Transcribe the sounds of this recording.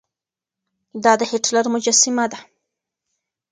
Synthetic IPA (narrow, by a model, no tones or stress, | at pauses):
d̪ɑd̪əhɪʈlaɾmʊd͡ʒasɪmad̪a